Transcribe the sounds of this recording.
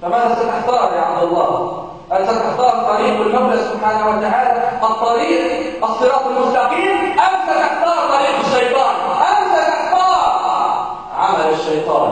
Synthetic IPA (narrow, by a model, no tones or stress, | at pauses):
famanæsˤɑt̪ʔɪħt̪ɑːɾˤɑjaʕab̚d̪ɑlˤːɑː | ʔansɑt̪ɪħt̪ɑːɾˤt̪ˤːɑɾiːqwɪlmablaʔsʊbħaːnahwat̪aɦaːlaʔɑt̪ˤːɑɾiːʔ | ʔɑsˤːɨɾɑːt̪ˤɪlmʊst̪aqiːmʔamsalʔɪħt̪ɑːɾˤt̪ˤɑɾiːqɪʃːɑjt̪ˤɑːnʔamsalʔɪħt̪ɑːɾˤ | ʕamalɪʃːɑjt̪ˤɑ̰ːn